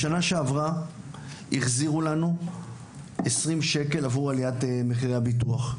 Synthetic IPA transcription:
ʃanaʃeavʁa | iχziʁulanu | esʁimʃe̞ke̞lavʁualiatemeχiʁeabit̬uaχ

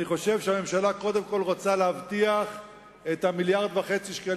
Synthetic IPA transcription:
niχo̞ʃe̞vʃeame̞mʃalako̞d̪e̞mko̞lʁot͡saleavt̪iaχ | e̞t̪hamiljaʁd̪vaχe̞t͡siʃka

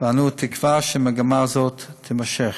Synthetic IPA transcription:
vanutʰɪkvaʃɪməɡamazɔttʰɪmaʃɛχ

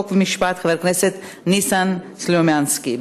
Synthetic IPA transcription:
kvimiʃpat̪χaveɾkneset̪ | nisan | slomjanskib

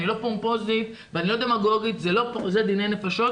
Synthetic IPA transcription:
nilo̞pompoziv | veanilo̞d̪e̞maɡo̞ɡit̪zelo̞pozed̪inenefaʃo̞

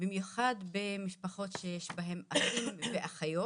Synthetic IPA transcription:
bimjuχad̪bemiʃpaχo̞t̪ʃejeʃbaɦe̞mafimveʔaχajo

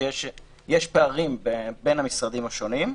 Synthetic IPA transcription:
jeʃ | jeʃpeaʁimbebe̞nhamisʁad̪imaʃo̞nim

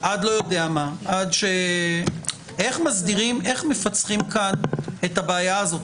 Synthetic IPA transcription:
ʔadlo̞jo̞deamaʔadʃe | e̞χmazdiʁime̞χme̞fat͡sχimkane̞tabeːjaːzo̞t̪

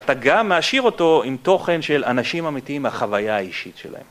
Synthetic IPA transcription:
at̪aɡamːeaʃiʁo̞to̞imt̪o̞χe̞nʃe̞lanaʃimamitiimaχavajaaiʃitʃḛla̰hḛm

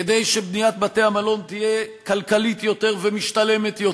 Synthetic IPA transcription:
ed̪ejʃebnijat̪̚bat̪eamalo̞nt̪ijekalkalit̪jo̞t̪e̞ʁvemiʃt̪ale̞met̪jo̞

